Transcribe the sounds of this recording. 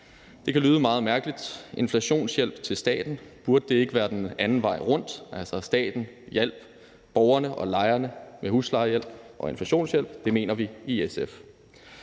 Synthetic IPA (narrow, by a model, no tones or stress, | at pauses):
d̥e̝kʰælyːð̞ˠəmɑ̈ːð̩ˠmæɐɡ̥əlid̥e̝nflæɕo̝̰ːnsjel̰b̥t͡sʰe̝lsd̥ɛ̰ːd̥n̩b̥uɐd̥əd̥e̝e̝ɡ̥əʋæːɐd̥enænn̩ʋɑ̈ɪ̰ʁɔ̽n̰d̥ʔælsɐsd̥ɛ̰ːd̥n̩jel̰b̥ | b̥ɒʊɐnəʔɒ̽lɑ̈ɪɐnəmehuslɑ̈ɪɐjel̰b̥ʔɒ̽e̝nflæɕo̝̰ːnsjel̰b̥d̥e̝me̝̰ːnɐʋiiesef